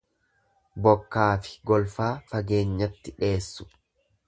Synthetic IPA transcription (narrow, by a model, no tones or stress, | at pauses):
bɔkːaːfɪ̥ɡɔlfaːfɐɡe̞ːɲːɐt̪ːɪᶑe̞ːsːʊ̥